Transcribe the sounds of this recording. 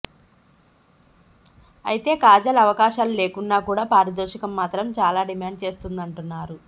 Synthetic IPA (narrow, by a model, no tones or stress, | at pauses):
ɐ̰jit̪e̞ːkaːd͡ʒɐlɐʋɐkaːʃaːlule̞ːkunːaːkuːɽaːpaːɾɐd̪oːʃɐkɐmːaːt̪ɾɐmt͡ʃaːlaːɖimaːɳɖ̚t͡ʃe̞ːst̪und̪ɐɳʈunːaːɾu